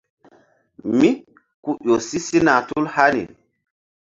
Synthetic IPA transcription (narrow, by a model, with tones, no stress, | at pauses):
mi˦ | ku˦jo˨si˦si˦na˨tu˦lha˦nḭ˨